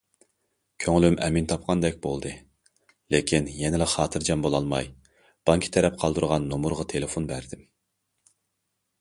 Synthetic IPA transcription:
kʲʰøŋlymʔɛmint̪ʰɑp̚qʰɑnd̪ɛk̚ʲbo̰lˠd̪ɨ | lekʲʰinjɛnɪlɪχɑːt̪ʰɨɾd͡ʒɑmbolˠɑlˠmɑ̰j | b̥ɑŋkʲʰi̥t̪ʰɛɾɛp̚qʰɑlˠd̪ɨɾʁɑnːomuɾʁɑt̪ʰelɪfonbæɾd̪ɪm

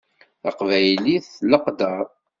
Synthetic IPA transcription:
ɑqvæjliθləqd̪əɾˤ

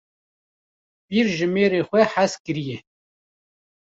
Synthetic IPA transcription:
piɾʒɨmeːɾeːxʷɛħaskɨɾijɛ

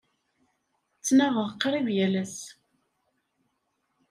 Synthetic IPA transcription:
t͡sːnæʁəʁqːɾˤivjælæs

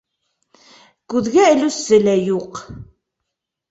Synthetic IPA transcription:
ɡ̥uðɣæʕlusəlæjuq

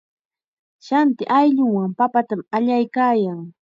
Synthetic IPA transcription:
ʃant̪ɪʔajʎʊŋwaŋpapat̪amaʎajkaːjaŋ

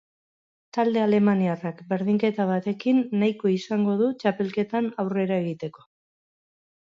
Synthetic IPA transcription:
t̪ald̪e̞ale̞maniarakbe̞ɾðiŋke̞t̪aβat̪e̞kinːajko̞isaŋɡo̞ð̞ut͡ʃape̞lke̞t̪anawre̞ɾae̞ɣ̞it̪e̞ko̞̥

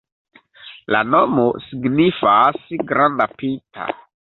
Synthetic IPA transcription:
lano̞mosiɡnifasɡɾandapitʰa̰

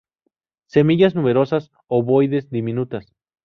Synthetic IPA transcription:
se̞miʝaznume̞ɾo̞sas | oβo̞jðe̞zd̪imĩnut̪as

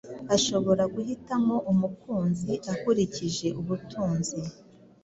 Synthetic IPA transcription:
aʃo̞βo̞ɾaɡuɦitamo̞ʔumukʰuːnziʔakuɾiciʒe̞ʔuβutʰuːnzi

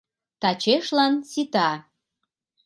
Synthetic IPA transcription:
t̪ɑt͡ɕeʃlɑnsit̪ɑ

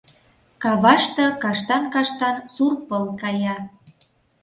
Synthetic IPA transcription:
kɑβɑʃt̪ɤ̆kɑʃt̪ɑnkɑʃt̪ɑnsurpəlkɑjɑ

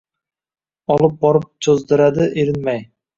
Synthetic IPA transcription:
ɒlˠɯp̚bɒɾɨp̚t͡ʃʰozd̪ɨɾad̪ɪʔeɾɪnmæj

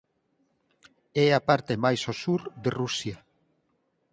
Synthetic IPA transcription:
ɛapaɾt̪emajsosuɾd̪erusja

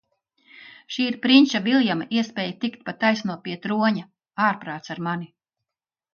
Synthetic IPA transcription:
ʃiːɾpɾinʲt͡ʃavilˠjamaʔiɛspʲɛːjt̪ikt̪̚pat̪ajsnuɔpiɛt̪ɾuɔɲa | aːɾpɾaːt̪saɾmani

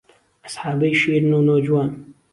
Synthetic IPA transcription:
asħɑːbəjʃiːɾnoːnod͡ʒwaːn

